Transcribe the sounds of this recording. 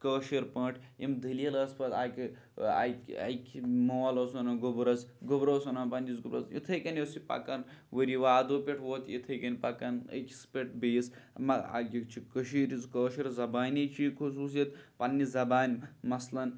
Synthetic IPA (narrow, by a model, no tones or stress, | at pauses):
kəːʃiɾpɐ̃ːʈʰimd̪ʱəlelɐːspɐt̪aːk | a̰ɐ̰jkʲʰmoːloːsonɐɡubɾɐsɡubɾoːsonɐːnpɐnʲizɡubɾɐsjḭt̪ʰɐjkɐnʲjesipɐ̰kɐnʋəɾiʋaːd̪oːpʲeʈʰʋoːt̪jḭt̪ʰɐjkɐnʲpɐkɐnə̰kʲispʲeʈ̚ʰbeːsmɐa̰kʲikt͡ʃʰikəʃiːɾizkəːʃiɾzɐbaːnʲit͡ʃʰikʰusuːs̬it̪pɐnːizɐbaːnʲmɐslɐn